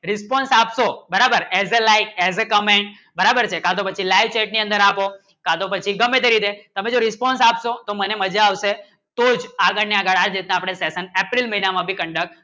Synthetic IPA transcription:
ɾɪspɔnsapʃobəɾabəɾɛzelajkɛzekəmeɳʈ̚ | bəɾabəɾt͡ʃʰekãt̪opət͡ʃʰilaiʋt͡ʃɛʈ̚niə̃nd̪əɾapo | kat̪opət͡ʃʰiɡəmet̪eɾid̪et̪əmẽd͡ʒoɾɪspɔnsapʃot̪oməneməd͡ʒaaʋʃe | t̪od͡ʒaɡəɽneaɡəɭad͡ʒɾit̪̚nãːpɽ̃esesənepɾilməɦinamãbʱikəɳɖək̚

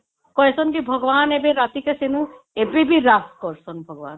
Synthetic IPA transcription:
kɔesɔnkibʱɔɡɔbanebeɾat̪ikesenũ | ebebiɾaskɔɾsɔnbʱɔɡɔban

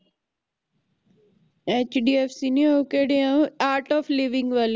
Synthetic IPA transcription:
eːt͡ʃɖiːefsiniokeɽeãaːɾʈɔːfliʋɪ̃ŋɡʋal

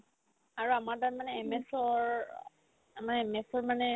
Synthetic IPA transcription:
aɹuamaɹtaɹmanɛːmɛsɔɹ | amaɛmɛsɔɹmanɛ

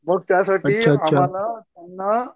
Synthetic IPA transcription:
bəɡ̚t̪jasaʈəiːɕʰaːaɕʰamalat̪anːə

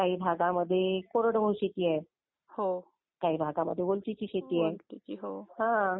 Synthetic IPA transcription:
kaɦiːbʱaɡaməd̪ʱːjekoɾəɽbowɕet̪iːɛ | ho | kaɦiːbʱaɡamə̰d̪ʱːjebolt͡ɕit͡ɕiːɕet̪iːɛit͡ɕiɦoɦã

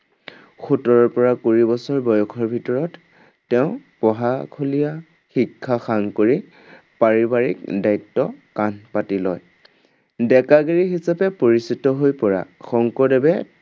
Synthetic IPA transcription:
xutɔɹɔɹpɔɹakuɹibɔsɔɹbɔjɔkʰɔɹbʱitɔɹɔtː | ɛʊ̃pɔɦakʰolija | xikʰːaxaŋkoɹi | paɹibaɹḭk̚dajtːɔkanpatilɔj | dɛkaɡeɹiɦisapɛpoɹisitɔɦojpɔɹa̰xɔŋkɔdɛbɛ

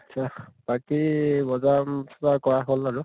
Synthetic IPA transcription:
at͡ʃʰab̥akibɔzamsʰɔzaɹkɔɹaɦolaɹu

